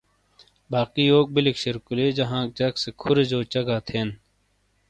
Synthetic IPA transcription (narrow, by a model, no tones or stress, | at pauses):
baːkiːoːk̚bilikʃɐɾkuleːd͡ʑɐɦãːk̚d͡ʑɐksekʰʊɾed͡ʑoːt͡ɕɐɡaːt̪ʰeːn